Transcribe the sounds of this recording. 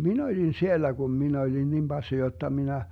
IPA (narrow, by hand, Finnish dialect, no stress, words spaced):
min olʲin sielːæ ɡ̊um min olʲin nim b̥ɑsːi jotːɑ minæ